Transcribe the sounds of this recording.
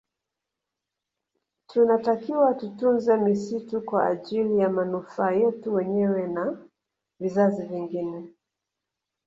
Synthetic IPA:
tʰunatakiwatutunzɛmisitukwaːʄilijamanufaːjɛtuwɛɲɛwɛna | vizaziviŋɡinɛ

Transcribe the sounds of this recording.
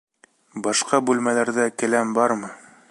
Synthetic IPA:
bɑʃqɑbʉlmælæɾðækɘ̆læmbɑɾmɤ

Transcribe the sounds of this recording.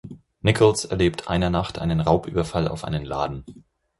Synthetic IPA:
nɪkʰɔlsɛɐleːptʰʔa̰ɪnɐnaχtʰʔa̰ɪnənʁaʊpʔy̰ːbɐfala̰ʊfʔa̰ɪnənla̰ːdn̩

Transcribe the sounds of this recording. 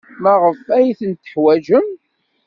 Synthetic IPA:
mæʁəfæjiθənt̪ːə̥ħwæʒəm

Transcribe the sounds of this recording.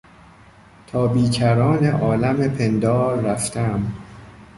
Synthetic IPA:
t̪ʰɒːbiːcʰæɾɒːneʔɒːlæmepʰe̞nd̪ɒːɾːæft̪ʰææm

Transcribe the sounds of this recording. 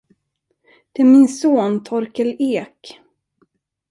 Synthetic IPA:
d̪̥ɛæɾmɪnsoːnt̪ʰɔɾkəleːk

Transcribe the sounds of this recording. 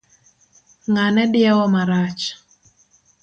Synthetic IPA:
ŋanɛdɪɛwɔmaɾat͡ʃ

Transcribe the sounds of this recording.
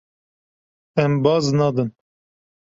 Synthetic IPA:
ɛmbɑːznɑd̪ɨn

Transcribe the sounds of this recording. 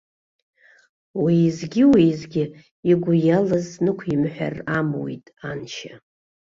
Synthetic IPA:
wizɡʲɪwizɡʲɪ | iɡʷʊjalɨznɨkʷʰimħʷᶣa̰ramwḭtʼanʃa

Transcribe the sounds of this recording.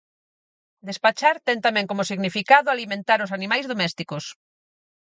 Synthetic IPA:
d̪espat͡ʃaɾt̪ɛnt̪amɛ̃ŋkomʊsiɣnifikaðʊalimẽnt̪aɾʊs̬animajzðomɛst̪ikos

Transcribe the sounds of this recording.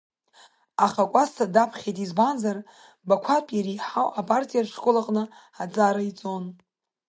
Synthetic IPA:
aχakʷʼastʰadapʰχʲejtʼizbanzar | bakʷʰapʼiɾijħawʔapʼartʼijarʂkʷʼolaqʼnɨ | ad͡zaɾait͡sʼo̞n

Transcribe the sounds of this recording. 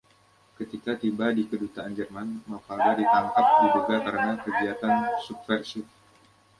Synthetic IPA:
kət̪ikat̪ibadikədut̪aʔːnd͡ʒərmanmafaladit̪aŋkap̚diduɡakəɾənakəɡiat̪ansub̚fɛrsɪf̚

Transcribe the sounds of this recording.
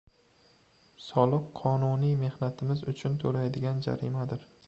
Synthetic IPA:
sɒlˠɨqʰːɒnʊnijme̞hnat̪ʰɪmɪzʊt͡ʃʰʊnt̪ʰoɾajd̪ɪɡʲand͡ʒa̰ɾɪ̰mad̪ɪɾ

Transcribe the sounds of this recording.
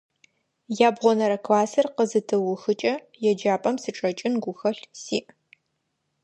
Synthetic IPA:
jaːbʁʷɔnɐɾɐkʰvaːsɐrqəzɨtʰɨwʊxɨt͡ʃʼɐ | jɛd͡ʒaːpʼɐmsɨʈ͡ʂʼɐt͡ʃʼɪnɡʷʊxɐɬsḭːʔ

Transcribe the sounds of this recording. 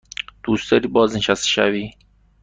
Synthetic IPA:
d̪̥uːst̪ɒɾiːbɒːzneʃast̪ʃa̰viː

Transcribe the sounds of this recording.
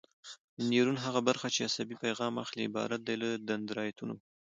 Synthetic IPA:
niɾunɦaɣabaɾxat͡ʃeasabipajɣɑma̰xliɪbɑ̰ɾat̪̚d̪ajləd̪and̪ɾɑjat̪uno

